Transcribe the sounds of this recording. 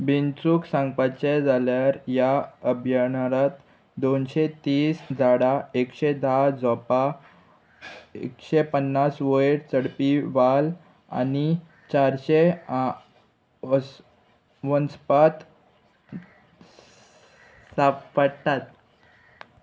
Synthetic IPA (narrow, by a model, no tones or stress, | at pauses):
bint͡suːksãŋɡpat͡ɕed͡zaljaɾjaəbʱjanɾat̪ | d̪onɕet̪iːsd͡zʱaɽaekɕed̪ʱad͡zɔpa | ḛkɕepənːasʋəɽt͡səɽpiʋal | a̰ni | t͡ɕaɾɕe | ə | ʋənspat̪ | sapəɽt̪at̪̚